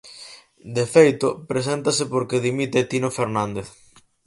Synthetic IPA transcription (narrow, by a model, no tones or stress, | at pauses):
d̪efejt̪opɾes̬ɛnt̪asepoɾkeðimit̪et̪inofeɾnand̪eθ